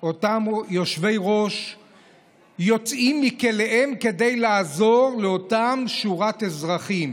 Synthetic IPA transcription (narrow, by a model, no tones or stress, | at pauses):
o̞tamjo̞ʃve̞jʁo̞ʃ | jo̞t͡simːikeleʔe̞mke̞de̞jlaːzo̞ʁleotamʃuʁatezʁaχim